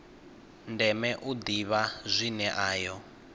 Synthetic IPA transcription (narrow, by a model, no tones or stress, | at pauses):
ndɛmɛʔud̪iβazʷinɛʔaːjɔ